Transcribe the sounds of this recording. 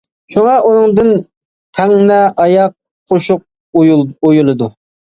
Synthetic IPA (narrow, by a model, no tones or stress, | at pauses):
ʃuŋɑʔunɨŋd̪ɨn | t̪ʰɛŋnɛʔɑjɑq̚ʰː | oʃʊq̚ | ojulˠɨd̪u